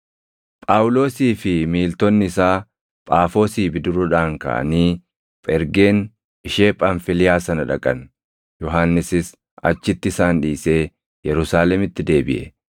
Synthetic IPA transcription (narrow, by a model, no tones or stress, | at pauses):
pʼaːʔʊlo̞ːsiːfɪmiːlt̪ɔnːɪɪsaː | pʼaːfo̞ːsiːbɪd̪ʊɾʊᶑaːŋkɐ̰ʔɐ̰niː | pʼɛɾɡe̞ːn | ɪʃe̞ːpʼɐnfɪlɪjaːsɐnɐᶑɐkʼɐn | jɔɦaːnːɪsɪs | ɐ̰t͡ʃːɪt̪ːɪɪsaːnᶑiːse̞ː | jɛɾʊsaːlɛmɪt̪ːɪd̪e̞ːbɪ̰ʔɛ̰